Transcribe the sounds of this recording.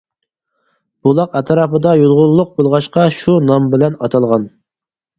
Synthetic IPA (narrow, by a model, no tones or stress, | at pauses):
b̥ulˠɑqɛt̪ʰɾɑːpəd̪ɑjolˠʁʊlˠːʊq̚bolˠʁɑʃqɑʃunɑmbɪlɛnɑ̰t̪ʰɑlˠʁɑn